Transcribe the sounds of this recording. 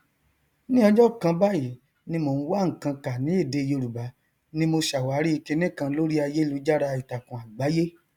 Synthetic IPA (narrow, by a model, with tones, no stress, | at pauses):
nĩ˦ɔ˧d͡ʒɔ˦˨kã˧ba˦ji˨˦ | nĩ˧˦mo˧˨n̩˦wa˦ŋ̩˨kã˧ka˨nĩ˨˦e˦˨de˧jo˧ɾu˨ba˨˦ | nĩ˦mo˧ʃa˨wa˨˦ɾi˦i˧ke˧nĩ˦˨kã˧lo˦ɾi˦a˧je˦lu˨˧˦d͡ʒa˦ɾa˧i˨ta˨kũ˨a˨ɡ͡ba˨˦je˦